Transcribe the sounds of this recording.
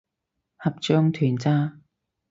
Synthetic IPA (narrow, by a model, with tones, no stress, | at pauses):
hɐ˨p̚t͡ʃœː˥ŋt̪ʰyː˨˩nt͡saː˥